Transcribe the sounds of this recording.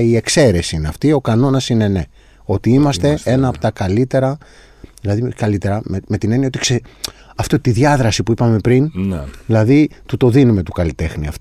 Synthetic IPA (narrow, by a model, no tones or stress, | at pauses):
ie̞kse̞ɾe̞siineɐft̪io̞kɐno̞nɐsine̞ne̞ | o̞t̪iimɐst̪e̞senɐːpo̥t̪ɐkɐlit̪e̞ɾɐ | ðilɐðikɐlit̪eɾɐmeme̞t̪ine̞niɐot̪i̥kseɐft̪ot̪iðʝɐðɾɐsipuipɐme̞pɾinðilɐðit̪ut̪o̞ðinume̞t̪u̥kɐlit̪e̞xniɐ̰ft̪